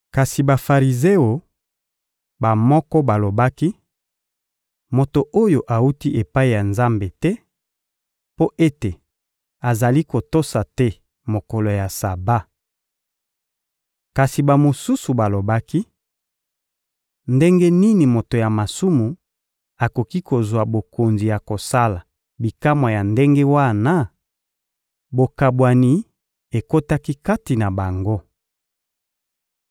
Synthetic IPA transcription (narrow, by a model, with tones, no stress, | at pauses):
ka˨si˨ba˨fa˨ʁi˨ze˦o˨ | ba˨mɔ˦kɔ˦ba˨lo˨ba˦ki˦ | mo˨to˨ʔo˦jo˨ʔa˨u˦ti˦ʔe˨pa˦i˨ja˨nza˦mbe˨tɛ˦ | po˦ʔe˦te˨ | a˨za˨li˦ko˨to˦sa˨tɛ˦ | mo˨ko˨lo˨ja˨sa˨ba˦ | ka˨si˨ba˨mo˨su˦su˨ba˨lo˨ba˦ki˦ | nde˦ŋɡe˦ni˦ni˨mo˨to˨ja˨ma˨su˦mu˨ | a˨ko˨ki˦ko˨zwa˨bo˨ko˨nzi˨ja˨ko˨sa˦la˨ | bi˨ka˦mwa˨ja˨nde˦ŋɡe˦wa˦na˦ | bo˨ka˨bwa˨ni˨ | e˨ko˦ta˦ki˦ka˦ti˨na˨ba˨ŋɡo˦